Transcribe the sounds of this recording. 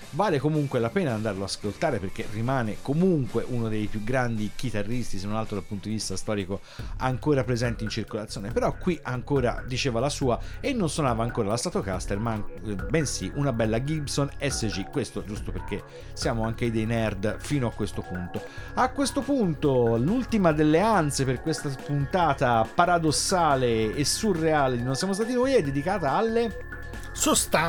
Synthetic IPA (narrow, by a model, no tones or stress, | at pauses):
vaːlekomuŋkwelapeːnaand̪aɾloaskolt̪aːɾeperk̟erimaːnekomuŋkweʔunod̪ejpjuɡɾand̪ik̟it̪arːist̪isenonalt̪ɾod̪alpunt̪od̪ivist̪ast̪ɔːɾiko | a̰ŋkoːɾapɾezɛnt̪int͡ʃirkolat̪sjoːnepeɾɔkːwiʔaŋkoːɾa̰d̪it͡ʃeːvalasuːaenːonswonaːvaːŋkoːɾalast̪aːt̪okast̪ermabensiʔunabɛlːaɡibsonɛsːed͡ʒikwest̪od͡ʒust̪operk̟e | sjaːmoaŋk̟ejd̪ejnɛrd̪fiːnoakːwest̪opunt̪o | akːwest̪opunt̪olult̪imad̪elːeant̪seperkwest̪apunt̪aːt̪apaɾad̪osːaːleːsːurːeaːled̪inonsjamost̪aːt̪̬inojɛd̪ːed̪ikaːt̪aalːe | sost̪a